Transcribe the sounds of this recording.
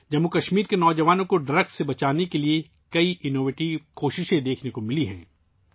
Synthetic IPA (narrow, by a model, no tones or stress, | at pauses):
d͡ʒɐmːukɐʃmiːɾkenɔːd͡ʒɐʋaːnõkoɖɾɐɡsebɐt͡ʃaːnekelie | kɐiʔɪnoːʋeːʈiʋkoːʃɪʃẽd̪eːkʰnekomɪliɦɛ̰̃ː